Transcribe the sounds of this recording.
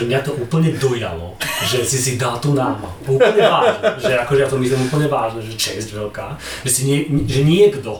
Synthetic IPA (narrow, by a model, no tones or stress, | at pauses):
ʒɛmɲat̪ɔʔuːpl̩ɲɛd̪ɔja̰lɔ̰ʒɛsisid̪alt̪unaɾma̰ | uplɲɛvaːʒnɛʒɛakɔʒɛjat̪ɔmizɛmupl̩ɲɛvaːʒnɛʒɛt͡ʃɛzdvɛlkaː | ʒɛsiɲɛʒɛɲiɛɡd̪ɔ